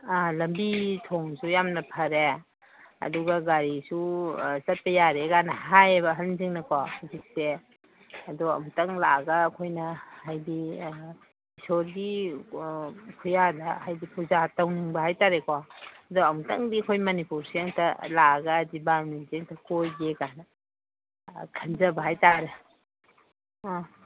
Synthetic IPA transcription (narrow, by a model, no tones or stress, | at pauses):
alɐmbitʰoŋsujamnɐpʰɐɾe | ɐ̰duɡɐɡaɾisusɐt̚pɐjaɾeɡanɐhajebɐɦɐlziŋnɐkʰɔhuzik̚se | ɐdɔɐ̰mtɐŋlaɡɐːkʰojnɐhajdi | isoɾɡi | kʰujadɐhajdipuzatɐwniŋbɐɦajtaɾekaɐdɔɐmtɐ̰ŋdiɐkʰojmɐnipuɾsiaŋtʰɐlaɡɐːdibaɾnisieŋtʰɐkojɡekanɐ | kʰɐnzɐbɐɦajtaɾɐ